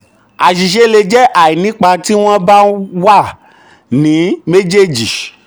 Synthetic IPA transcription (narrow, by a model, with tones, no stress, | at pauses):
a˨ʃi˨ʃ̬e˧le˧d͡ʒɛ˦ʔa˨i˨nĩ˨˦k͡pa˧ti˦w̃ɔ̃˦ba˦wa˦˨ | nĩ˨˦me˦d͡ʒe˦˨d͡ʒi˨